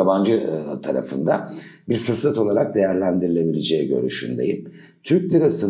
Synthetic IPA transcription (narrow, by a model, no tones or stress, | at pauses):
aband͡ʒɯt̪ʰaɾa̰fɯnd̪abiɾsɯɾsat̪ʰo̞lˠaɾak̚d̪e̞jæɾlʲænd̪iɾilʲe̞bilʲed͡ʒejɛɟø̞̰ɾy̰ʃy̰nd̪ḛjim | t̪ʰyɾc̚d̪ʲiɾasɯ